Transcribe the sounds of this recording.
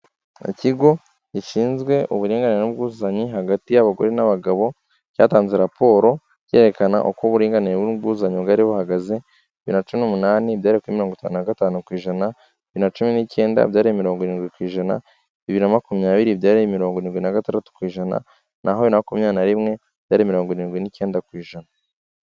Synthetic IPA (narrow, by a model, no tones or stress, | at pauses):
ḭciɡo̞ | ɟiʃiːnzɡwe̞ʔuβuɾiːŋɡaniɾenub̚ɡuːzaɲiɦaɡatijaβaɡo̞̰ɾenaβaɡaβo̞ | ca̰ːtaːnzeɾapʰo̞ːɾo̞ | ce̞ɾe̞kana̰ʔokoβuɾiːŋɡanibɡuːzaɲobɡaɾiβo̞haɡaze̞ | iβiɾnat͡ʃuminumunaːnibjaːɾiekweimiɾoŋɡotaːnunaɡataːnukwiːʒana | iβiɾnat͡ʃuminice̞ːnda̰bjaːɾijemiɾo̞ːŋɡoɾiːnɡwikwiːʒana̰ | iβiɾinamakumɲaːβiɾibjaːɾijemiɾo̞ːŋɡoɾiːnɡinaɡatandatu̥kwiːʒana̰ | nʔaɦoβiinaakumɲaːnaɾimŋe̞ | b̥jaːɾimiɾo̞ːŋɡoɾiːnɡwinice̞ːndakwiːʒana